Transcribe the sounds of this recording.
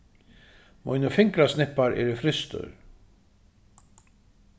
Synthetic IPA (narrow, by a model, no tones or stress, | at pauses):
mɔ̰jnʏfɪŋkɾasnɪhpːaɾɛ̰ɾɪfɾɪst̪ʏ̰ɾ̥